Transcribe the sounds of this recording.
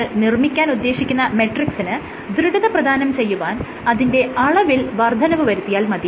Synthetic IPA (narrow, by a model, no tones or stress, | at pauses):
nirmikʲːaːnud̪ːe̞ːɕikʲːunːɐme̞ʈriksinɨ | d̪ɾuɡɐðɐprɐd̪ʱaːnɐmt͡ɕe̞jːuʋaːn | ɐðinde̞ɐɭɐʋilʋɐrd̪ʱɐnɐʋɨʋɐɾut̪ːijaːlmɐd̪i